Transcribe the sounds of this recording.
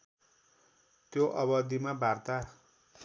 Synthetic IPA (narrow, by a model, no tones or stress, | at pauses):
t̪joʔʌβʌd̪imabart̪a